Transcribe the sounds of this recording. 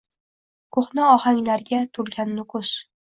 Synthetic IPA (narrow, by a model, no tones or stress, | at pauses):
kʰoχnɑɒhaŋlaɾɡʲat̪ʰʊɾɡʲanːʊkʰʊs